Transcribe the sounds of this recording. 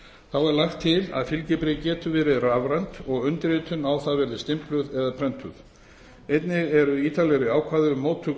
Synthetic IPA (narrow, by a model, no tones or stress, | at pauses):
θawɛɾlaxt̪ʰːɪla̰ðfɪlcɪpɾɪcɛːt̪ʏvɛːɾɪðravɾant̪ɔɣʏnt̪ɾɪːt̪ʰʏnawθaðvɛɾðɪst̪ɪmplʏðɛðapʰɾɛnt̪ʰʏ̰ð | ejt̪nɪɣɛɾʏiːt̪ʰalɛɾʏaːwkʰvaːðʏmːoːwt̪ʰːʏ